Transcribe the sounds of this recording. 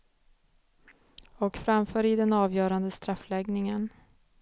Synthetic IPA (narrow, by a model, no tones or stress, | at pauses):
ɔkfɾamfœːɾɪd̪ɛnɑːvjœːɾand̪əst̪ɾafːlɛɡnɪŋən